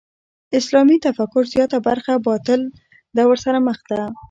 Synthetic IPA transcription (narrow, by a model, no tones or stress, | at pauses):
ɪslɑmit̪afakʊɾzjɑt̪abaɾxabɑt̪ɪl | d̪awəɾsaɾaməxd̪a